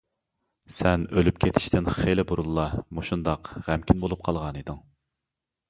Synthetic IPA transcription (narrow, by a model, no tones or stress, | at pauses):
sɛnølypkʲʰet̪ʰɪ̥ʃt̪ʰɪnχelɪbuɾulˠːɑmoʃund̪ɑqʁæmkʲʰinbolˠup̚qʰɑlˠʁɑnid̪ɪŋ